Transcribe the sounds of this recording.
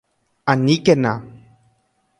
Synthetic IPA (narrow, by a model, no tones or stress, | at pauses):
anikena